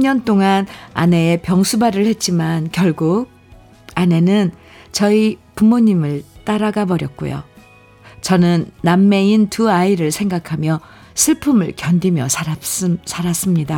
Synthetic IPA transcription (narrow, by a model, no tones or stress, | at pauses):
ɲʌnt͈oŋana̰ne̞epjʌŋsʰubaɾɯɭhe̞t̚t͡ɕ͈imankjʌɭɡuk̚ | ane̞nɯn | t͡ɕʌipumoɲimɯɭt͈aɾaɡabʌɾjʌt̚k͈ṵjo̰ | t͡ɕʌnɯnːamːe̞intuaiɾɯɭsʰe̞ŋɡakʰamjʌ | sʰɯɭpʰumɯɭkjʌndimjʌsʰ | sʰaɾas͈ɯmɲida